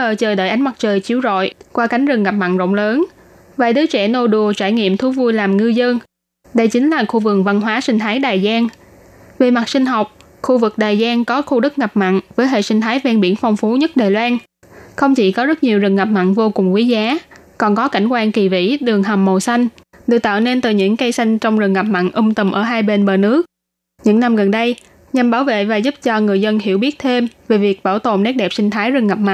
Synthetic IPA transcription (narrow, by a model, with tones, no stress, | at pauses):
əː˨˩t͡ɕəː˨˩ɗə̰ː˧˨jʔa˨˦ŋma˨˩t̚t͡ɕəː˨˩jt͡ɕi˧˩əwzo̰˧˨jkwaː˧ka˨˦jŋ̟zɨ˨˩ŋɣa˨˩p̚ma̰˧˨nzə̰˧˨wŋ͡mləː˨˦n | vaː˨˩jɗɨː˨˦jt͡ɕɛ˧˩no˧ɗu˨˩ət͡ɕaː˧˩jŋḭ˧˨əmt̪ʰu˨˦vu˧jlaː˨˩mŋɨ˧zə˧n | ɗə˧jt͡ɕï˨˦ŋ̟laː˨˩xu˧vɨ˨˩əŋ̚va˧nɦwaː˨˦sï˧ŋ̟t̪ʰaː˨˦jɗaː˨˩jzaː˧n | ve˨˩ma˨˩t̚sï˧ŋ̟ɦa˨˩wk͡p̚ | xu˧vɨ˨˩k̚ɗaː˨˩jzaː˧nkɔ˨˦xu˧ɗɨ˦˥k̚ŋa˨˩p̚ma̰˧˨nvəː˨˦jɦḛ˧˨sï˧ŋt̪ʰaː˨˦jvɛː˧nɓi˧˩ənfɔ˧wŋ͡mfu˨˦ɲə˦˥t̚ɗaː˨˩jlwaː˧n | xə˧wŋ͡mt͡ɕḭ˧˩kɔ˨˦zə˦˥t̚ɲi˨˩əwzɨ˨˩ŋŋa˨˩p̚ma̰˧˨nvo˧kʊ˨˩ŋ͡mkwi˨˦zaː˨˦kɔ˨˩nkɔ˨˦ka˧˩jŋ̟kwaː˧ŋki˨˩vḭ˧˥ɗɨ˨˩əŋɦa˨˩mːo˨˩sa˧jŋ̟ɗɨ̰˧˨t̪a̰ː˧˨wne˧nt̪ɨ˨˩ɲɨ̰˧˥ŋkə˧jsa˧jŋ̟t͡ɕɔ˧wŋ͡mzɨ˨˩ŋa˨˩p̚ma̰˧˨nʔʊ˧ŋ͡mt̪ə˨˩mʔəː˧˩ɦaː˧jɓe˧nɓəː˨˩nɨ˦˥ək̚ | ɲɨ̰˧˥ŋna˧mɣə˨˩nɗə˧j | ɲa˨˩mɓaː˧˩wvḛ˧˨vaː˨˩zu˦˥p̚t͡ɕɔ˧ŋɨ˨˩əjzə˧nhḭ˧˩əwɓi˦˥ət̚t̪ʰe˧mve˨˩vi˨˩ək̚ɓaː˧˩wt̪o̰˧˨˩nɛ˦˥t̚ɗɛ˨˩p̚sï˧ŋ̟t̪ʰaː˨˦jzɨ˨˩ŋa˨˩p̚ma̰˧˨n